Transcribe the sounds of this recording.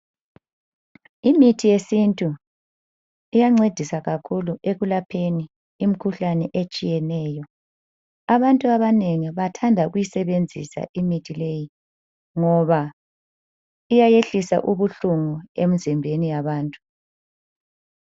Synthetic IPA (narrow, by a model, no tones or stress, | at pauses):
imitʰijesintʼu | ijaŋ͡ǀed̥ʱisaɣakʰuluʔeɣulapʰeni | im̩kʰuɬanɛʔet͡ʃʼijɛnɛːjɔ | aβantʼuaβaneŋiβatʰandʱaɣujisɛβend͡zʱḭsa̰ʔimitʰileji | ŋɔβa | ijajeɬisa̰ʔuβuɬuŋuem̩zimbʱenijaβaːntʼu̥